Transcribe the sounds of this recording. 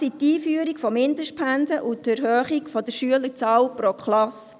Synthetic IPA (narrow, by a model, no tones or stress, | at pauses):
sit̪iːfyəɾikfɔmɪndəʃpʰænsəʔʊtæɾɦœːχikfɔd̥̪əɾʃyələɾt͡sɑːwpɾɔkʰχlɑs